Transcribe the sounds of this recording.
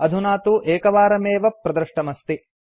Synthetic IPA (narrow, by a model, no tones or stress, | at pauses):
ɐd̪ʱunaːt̪uʔeːkɐʋaːɾɐmeːʋɐpɾɐd̪ɾɨʂʈɐmɐst̪i